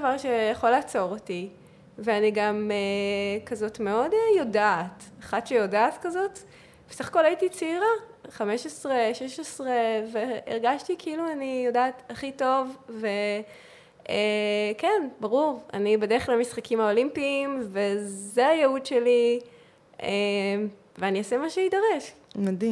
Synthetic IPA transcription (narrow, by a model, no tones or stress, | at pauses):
vaʁʃejaχolaːt͡so̞ʁoti | veaniɡamekazo̞tmeo̞dejo̞daːtaχatʃejo̞daːtkazo̞t | vesaχḁko̞laitit͡siʁaχameʃesʁeʃeʃesʁeveeʁɡaʃtikʰeiluanijo̞daːtaχito̞vve̞ | ekenbaʁuʁa̰nibedeʁelamisχakimhao̞limpiːmvezeajeudʃe̞li | em | veaniosemaʃeidaʁeʃmadim